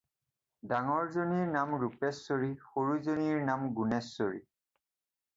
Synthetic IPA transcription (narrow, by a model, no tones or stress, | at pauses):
daŋɔɹzoniɹnamɹupɛsːoɹixoɹuzoniɹnamɡunɛsːoɹḭ